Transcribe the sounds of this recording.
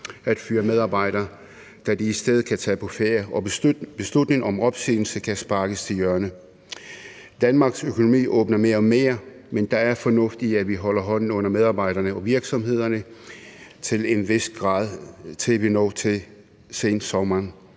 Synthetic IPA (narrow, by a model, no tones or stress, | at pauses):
æd̥fyːɐmeð̞ˠɑ̈ːb̥ɑ̈ɪ̰ɾ̥ɐː | d̥æd̥iːsd̥eð̩ˠkʰæt͡sʰɛ̰ːpʰɒ̽feɐɒ̽b̥e̝slud̥ne̝ŋɒ̽mɒ̽b̥sy̰ːnl̩səkʰæsb̥ɑ̈ːɡ̥əst͡sʰe̝ljɶɐnə | d̥ænmɑ̈ːɡ̥søkʰo̝no̝mḭːʔɔ̰̽ːb̥nɐme̝ːɐɒme̝̰ːɐ | mend̥ɑ̈æɐfɒ̽nɔ̽fd̥iæʋiɦɒ̽l̰ɐɦɒ̽n̰n̩ɔ̽n̰ɐmeð̞ˠɑ̈ːb̥ɑ̈ɪɾ̥ɐnəɒ̽ʋiɐɡ̥sɒ̽mɦe̝ð̞̰ˠɐnə | t͡sʰe̝le̝nʋe̝sd̥̚ɡ̥ʁɑ̰̈ːð̞ˠt͡sʰe̝lʋinɒ̰ːt͡sʰe̝ | sḛnd̥sɒmɐn